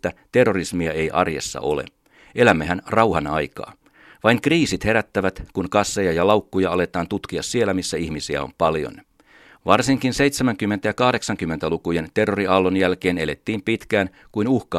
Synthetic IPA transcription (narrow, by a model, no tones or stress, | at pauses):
t̪ːæt̪e̞rːo̞rismiɑe̞jʔɑ̰rje̞̰sːɑ̰ʔo̞̰lḛ | ʔe̞læmːehænrɑwhɑnɑjkɑ̰ː | ʋɑiŋkriːsit̪he̞ɾæt̪ːæʋæt̪kunkɑsːejɑjɑlɑwkːujɑɑle̞t̪ɑːnt̪ut̪kiɑsːie̞lːæmisːæihmisiæ̰o̰mpɑljo̰n | ʋɑrsiŋkinse̞it̪semæŋkymːent̪æjɑkɑhde̞ksɑŋkymːent̪ælukujent̪e̞rːo̞riʔɑlːonjælke̞ːne̞le̞t̪ːiːmpit̪kæːn | kuinuhkɑ